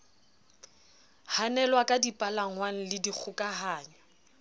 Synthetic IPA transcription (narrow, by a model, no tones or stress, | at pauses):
hanɛlwakʼadipʼalaŋwaŋ̩lɪdik͡xʰʊkʼaɦaːɲwa